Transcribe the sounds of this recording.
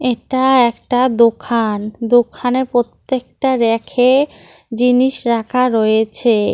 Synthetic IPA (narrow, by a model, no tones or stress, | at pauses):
eʈaɛkʈad̪okʰand̪okʰanepɾot̪ːek̚ʈaɾekʰe | d͡ʑiniʃɾakʰaɾojet͡ɕʰe